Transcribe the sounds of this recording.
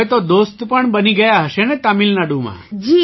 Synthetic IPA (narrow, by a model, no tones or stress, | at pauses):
et̪od̪ost̪pəɳbəniɡəjaɦəʃenet̪amilnaɖũmã̰d͡ʒi